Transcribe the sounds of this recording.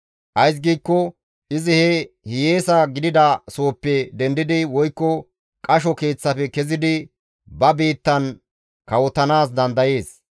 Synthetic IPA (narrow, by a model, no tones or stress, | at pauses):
ʔɐjs̬ɡiːkːɔ | ʔɪzɪhɛ | hɪjeːsɐɡɪd̪ɪd̪ɐso̞ːpːɛd̪ɛnd̪ɪd̪ɪwɔjkːɔ | kʼɐʃ̬ɔke̞ːt͡sːɐfɛkɛzɪd̪ɪ | bɐbiːt̪ːɐn | kɐwɔt̪ːɐnaːs̬d̪ɐnd̪ɐje̞ːs